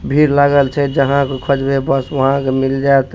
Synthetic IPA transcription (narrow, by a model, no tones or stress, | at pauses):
bʱiɾlaɡəlt͡ʃʰɛd͡ʒəɦãkekʰəd͡ʒbebəsʋəɦãkemild͡ʒaet̪